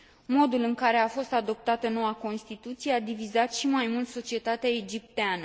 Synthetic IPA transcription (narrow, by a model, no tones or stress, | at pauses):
mo̞d̪ulɨŋkaɾe̞afo̞st̪ad̪o̞p̚t̪at̪əno̞wako̞nst̪it̪ut̪sije̞ad̪ivizat̪ʃimajmult̪so̞t͡ʃie̞t̪at̪eaed͡ʒip̚t̪eanə